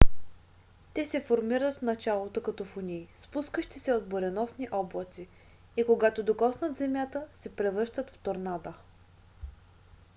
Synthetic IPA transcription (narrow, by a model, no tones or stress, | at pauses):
t̪ɛsɛfoɾmiɾət̪fnɐt͡ʃalˠot̪okɐt̪ɔfʊnʲiːspuskəʃt̪isɛod̪̚boɾɛnɔsniʔɔblˠɐt̪si | ikoɡat̪od̪okɔsnət̪zɛmjat̪əsɛpɾɛvɤɾʃt̪ət̪ft̪oɾnad̪ə